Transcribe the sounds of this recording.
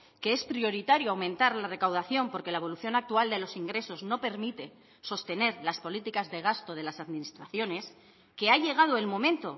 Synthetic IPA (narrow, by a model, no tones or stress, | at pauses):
ke̞e̞spɾijo̞ɾit̪aɾjoawmẽnt̪aɾlare̞kawðaθjo̞mpo̞ɾke̞lae̞βo̞luθjo̞nak̚t̪uald̪e̞lo̞siŋɡɾe̞so̞zno̞pe̞ɾmit̪e̞ | so̞st̪e̞ne̞ɾlaspo̞lit̪ikazðe̞ɣ̞ast̪o̞ð̞e̞lasaðminist̪ɾaθjo̞ne̞s | ke̞aʎe̞ɣ̞að̞oe̞lmõ̞mẽ̞nt̪o̞